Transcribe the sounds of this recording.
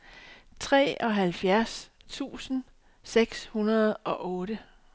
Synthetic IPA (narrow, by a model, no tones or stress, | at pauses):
t͡sʰʁɛ̰ːɒ̽ɦælfjæɐst͡sʰṵːsn̩ | seɡ̥shunɐð̞ˠʔɒ̽ʔɔ̽ːɾə